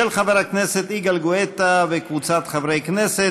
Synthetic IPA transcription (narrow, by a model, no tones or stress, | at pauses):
elχaveʁakneset̪iɡalɡoet̪avekvut͡sat̪χavɾejknese